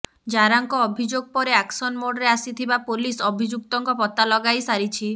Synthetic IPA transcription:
d͡ʒaɾaŋkɔːbʱid͡ʒoɡ̚pɔɾeaksɔnmoɽɾeasit̪ʰibapolisɔbʱid͡ʒuk̚t̪ɔŋkɔpɔt̪alɔɡajsaɾit͡ʃʰi

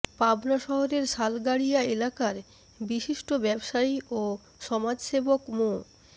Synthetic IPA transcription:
pabnaʃɔɦoɾeɾʃalɡaɽijaelakaɾ | biʃiʃʈobɛbʃaio | ʃɔmad͡ʑʃebokmo

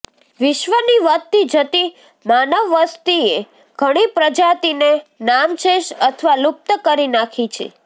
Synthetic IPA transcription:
ʋɪʃʋəniʋət̪id͡ʒət̪i | manəʋːəst̪ie | ɡ̥ʱəɽ̃ipɾəd͡ʒat̪inenamʃeʃət̪ʰəʋalʊp̚t̪əkəɾinakʰit͡ʃʰḛ

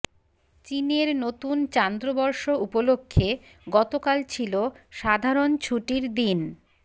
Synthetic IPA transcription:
t͡ɕineɾnot̪unt͡ɕand̪ɾobɔɾʃoupolokʰːe | ɡɔt̪okalt͡ɕʰiloʃad̪ʱaɾont͡ɕʰuʈiɾd̪in

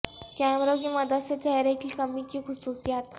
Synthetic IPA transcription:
kɛmɾoɡiːməd̪əsjat͡ɕaɦjɾekiːkəmiːkiːkʰususjat̪

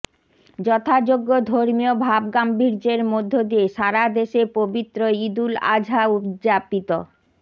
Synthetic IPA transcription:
d͡ʑɔt̪ʰad͡ʑoɡːod̪ʱoɾmiobʱab̚ɡambiɾd͡ʑeɾmod̪ʱːod̪ieʃaɾad̪eʃepobit̪ːɾoid̪ula̰d͡ʑʱaud͡ʑapit̪o

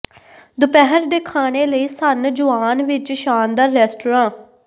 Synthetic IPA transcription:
d̪ʊpɛɦəɾd̪eːkʰaːɽ̃eːləiːsənd͡ʒʊʋaːnʋɪt͡ʃʃaːnd̪aːɾɛːsʈoːɾãː

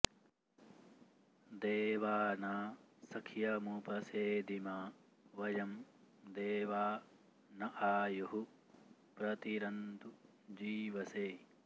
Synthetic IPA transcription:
d̪eːʋaːnaːsɐkʰjɐmupɐseːd̪imaː | ʋɐjɐm | d̪eːʋaː | nɐʔaːjuɦu | pɾɐt̪iɾɐnd̪u | d͡ʒiːʋɐseː

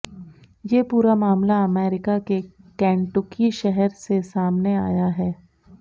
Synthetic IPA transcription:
jeːpuːɾamaːmlaɐmeːɾɪkakekɛ̃ːɳʈʊkiʃɛɦɛɾsesaːmnea̰ːjaɦɛː

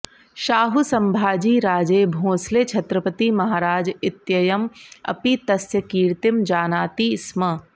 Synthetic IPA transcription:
ʃaːɦusɐmbʱaːd͡ʒiːɾaːd͡ʒeːbʱõːsleːt͡ʃʰɐt̪ɾəpət̪imɐɦaːɾaːd͡ʒɪt̪jɐjɐmɐ̰pit̪ɐsjɐkiːɾt̪ɪmd͡ʒaːnaːt̪ismɐ

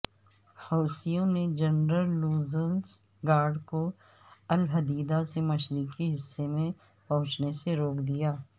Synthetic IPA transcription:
hɔːsijõned͡ʒɐnɾəlːuːzəns | ɡaːɾɖko | əlɦəd̪iːd̪asemɐʃɾikiɦɪsːemẽ | pɐ̃ɦʊ̃t͡ʃneseɾoːkd̪ijaː

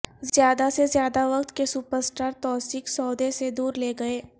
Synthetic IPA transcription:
zjaːd̪asezjaːd̪aʋɐkt̪kesuːpəɾsʈaːɾt̪ɔːsɪksɔːd̪esed̪uːɾleːɡɐeː

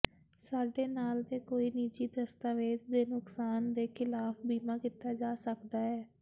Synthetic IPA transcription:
saːɖeːnaːld̪eːkoːiːniːt͡ʃiːd̪əst̪aːʋeːd͡ʒd̪eːnʊksaːnd̪eːkʰɪlaːfʰbiːmãːkiːt̪aːd͡ʒaːsəkd̪aːɦɛː

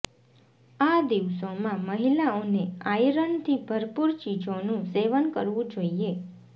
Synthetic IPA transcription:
ad̪iʋsomãməɦilaoneajɾənt̪ʰibʱəɾpuɾt͡ʃid͡ʒonũseʋənkəɾʋũd͡ʒoie

